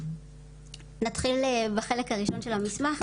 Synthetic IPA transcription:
nat̪χilbeχe̞lekhaʁiʃo̞nʃelamismaχ

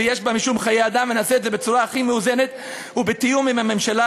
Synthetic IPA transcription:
ejeʃbamiʃumχajejad̪amvenasetzebet͡suʁaːχimeuze̞net̪ | ubet̪ijumimame̞mʃala

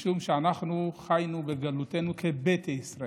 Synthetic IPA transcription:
ʃumʃeanaχnuχajnubeɡalut̪e̞nukʰebet̪eissʁa

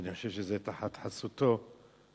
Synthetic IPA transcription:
niχoʃevʃezet̪aħat̪ħasut̪o

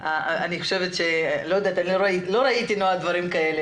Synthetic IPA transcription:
aaniχo̞ʃe̞vetʃe̞lojod̪at̪anloɾailo̞ɾait̪inoad̪vaɾimkae̞le

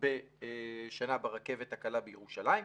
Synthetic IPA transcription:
be | ʃanabaʁake̞vet̪hakalabejeʁuʃalai

